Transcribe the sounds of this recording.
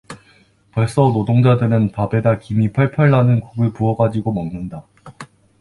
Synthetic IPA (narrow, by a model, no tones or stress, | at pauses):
pʌɭs͈ʌnodoŋd͡ʑadɯɾɯnpabe̞dakimipʰaɭpʰjʌɭːanɯnkuɡɯɭpuʌɡad͡ʑiɡomannɯnda